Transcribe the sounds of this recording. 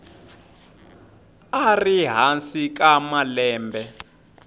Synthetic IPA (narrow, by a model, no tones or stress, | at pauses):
ariɦansik̬amalɛːmbʱɛ